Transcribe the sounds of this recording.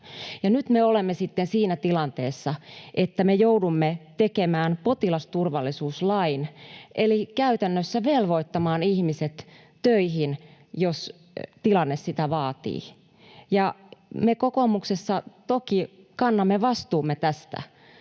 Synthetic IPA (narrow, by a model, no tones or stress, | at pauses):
jɑnyt̪meolemːesit̪ːensiːnæt̪ilɑnt̪ḛːsːɑʔet̪ːæmejoudumːet̪ekemæːnpot̪ilɑst̪urʋɑlːˑisuːslɑinʔelikæyt̪ænːøsːæʋelʋoit̪ːɑmɑːnihmiset̪ | tøiɦin | jos | t̪ilɑnːessit̪æʋɑːt̪ḭː | jɑmekokomuksesːɑt̪okikɑnːɑmːeʋɑst̪uːmːet̪æst̪æ̰